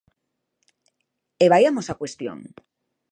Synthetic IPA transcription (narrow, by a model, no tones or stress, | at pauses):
eβajamosakwest̪jo̰ŋ